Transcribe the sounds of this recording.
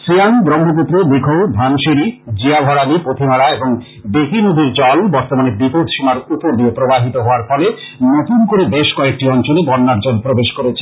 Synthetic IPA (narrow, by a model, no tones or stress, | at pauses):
sɾianɡɾɔmbʱop̬ut̪ːɾobikʰowd̪ʱanʃeɾid͡ʑiabʱɔɾalipot̪ʰimaɾaeboŋ | b̪ekinud̪ʱiɾd͡ʑɔlbɔɾt̪omanebipot̪ʃimaɾut̪ːoɾd̪iopɾobaɦit̪oɦɔoaɾfɔle | not̪unkoɾed̪eʃkɔek̚ʈiɔnt͡ɕolebɔɾnːaɾd͡ʑɔlpɾobeʃkoɾet͡ɕʰe̥